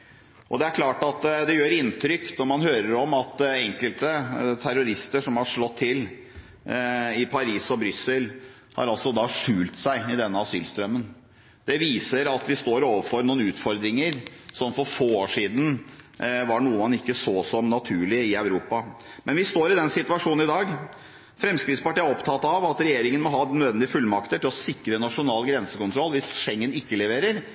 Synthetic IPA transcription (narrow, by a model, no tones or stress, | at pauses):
ʔɔd̪ɛæɾkʰlɑːʈɑt̪d̪ɛjøːɾɪnt̪ʰɾʏkːnɔɾmɑnhøːɾəɾɔmɑt̪ɛŋkəlt̪ət̪ʰæɾʊɾɪst̪əʂɔmhɑʂɭɔt̪ʰːɪl | ɪpʰɑɾiːsɔbɾʏsːəl | hɑ̰ɾɑlsɔd̪ɑːʂʉːlt̪sæɪɪd̪ɛnːəɑsy̰ːlst̪ɾœmːən | d̪̥ɛʋiːsəɾɑt̪ʋɪst̪oːɾoːʋəfɔɾnuːnʉːt̪fɔɾd̪ɾɪŋəɾsɔmfɔɾfoːoːʂiːd̪n̩ | ʋɑɳuːəmɑnɪkːəsoːsɔmnɑt̪ʰʉːɭɪɪœʉɾuːpɑmɛnʋɪst̪oːɾɪd̪ɛnsɪt̪ʉɑʂuːnn̩ɪd̪ɑːɡ | fɾɛmskɾɪt̪spɑʈiːæɾɔpt̪ʰɑt̪ːɑʋɑt̪ɾɛjeːɾɪŋənmɔɦɑːnœd̪ʋɛnd̪ɪəfʉlːmɑkt̪əʈʰɪlɔsɪkɾənɑʂʊnɑːlɡɾɛnsəkʊnt̪ʰɾɔlːʋɪsʂɛŋːənɪkːəlɛʋeːɾəɾ